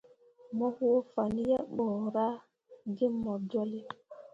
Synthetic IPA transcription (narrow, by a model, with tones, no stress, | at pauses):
mɔ˦hu˦o˦fa˨ni˦ja˦ɓɔ˨ɾa˦ | di˦mɔ˨d͡ʒɔ˦li˦